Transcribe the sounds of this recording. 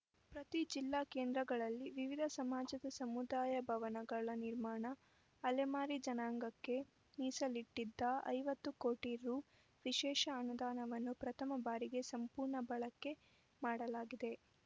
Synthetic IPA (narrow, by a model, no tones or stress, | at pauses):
pɾɐt̪id͡ʒilːaːkeːnd̪ɾɐɡɐɭɐlːiʋiʋid̪ʱɐsɐmaːd͡ʒɐd̪ɐsɐmud̪aːjɐbʱɐʋɐnɐɡɐɭɐniɾmaːɳɐː | lemaːɾid͡ʒɐnaːŋɡɐkːe̞ | niːsɐliʈːid̪ːɐɐ̰jʋɐt̪ːuko̞ːʈiɾuː | ʋiʃɛːʃɐːnud̪aːnɐʋɐnːupɾɐt̪ʰɐmɐbaːɾiɡe̞sɐmpuːɾɳɐbɐɭɐkːe̞ | maːɽɐlaːɡid̪e̞